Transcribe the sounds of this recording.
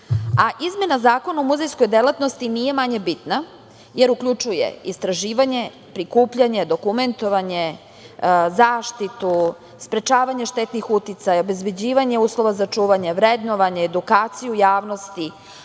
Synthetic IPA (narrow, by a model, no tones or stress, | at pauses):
aʔizme̞nazaːko̞naomuzejsko̞jd̪elat̪no̞st̪inije̞maɲe̞bit̪na | je̞ɾukʎut͡ʃujḛist̪ɾaʒiːʋaɲe̞ | pɾikuːpʎaɲe̞d̪o̞kume̞nt̪o̞ʋaɲe | zaːʃt̪it̪u | spɾe̞t͡ʃaːʋaɲeʃt̪et̪nixut̪it̪sajaobezbe̞d͡ʑiːʋaɲe̞uːslˠo̞ʋazat͡ʂuːʋaɲe̞ʋɾed̪no̞ʋaɲeːd̪ukaːt̪sijujaːʋno̞st̪i